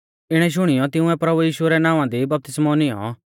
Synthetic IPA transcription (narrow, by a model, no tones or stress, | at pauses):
ɪɽ̃ɛʃ̬ʊɽ̃ɪjɔt̪ɪũɛ̃pɾɐbujiːʃʊɛɾɛnãːʋãd̪ibɐp̚t̪ɪsmɔnɪjɔ̰